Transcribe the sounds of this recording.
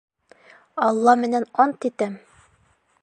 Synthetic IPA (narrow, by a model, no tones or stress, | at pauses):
ɑlˠːɑmɘ̆nænɒnt̪it̪æm